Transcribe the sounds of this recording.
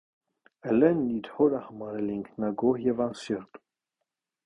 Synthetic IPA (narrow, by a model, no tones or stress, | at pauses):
ɛlɛnid̪hɔɾahəmɑɾɛliŋkʰnɑɡɔhjɛvɑnsɛɾt̪ʼu̥